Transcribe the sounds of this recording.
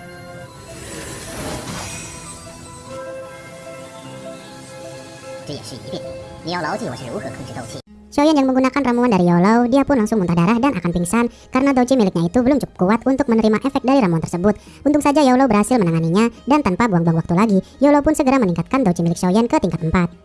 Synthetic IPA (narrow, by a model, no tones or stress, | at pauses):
ija̰ʃḭpit̪ | nijalawt̪iwa̰silṵuhəkʰənsit̪owt͡ʃi | ʃojanjaŋməŋɡunakanramuandaɾijalawdiapʊnlaŋsʊŋmunt̪ahdaɾahdanʔa̰kanpiŋsan | kaɾənadowt͡ʃimilɪk̚ɲait̪ubəlʊmt͡ʃu̥kʊ̥p̚kuat̪unt̪ʊk̚mənəɾimaʔɛfɛk̚daɾiɾamuant̪ərsəbʊt̪̚ | ʔunt̪ʊŋsad͡ʒajawlowbərhasɪlmənaŋaniɲadant̪anpabuaŋbuaŋwak̚t̪ulaɡijawlowpʊnsəɡəɾaməniŋkat̪̚kandot͡ʃimilɪk̚ʃojankət̪iŋkat̪ːəmpat̪̚